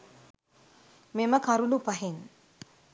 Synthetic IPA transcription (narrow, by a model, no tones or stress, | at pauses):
meməkaɾulupaɦen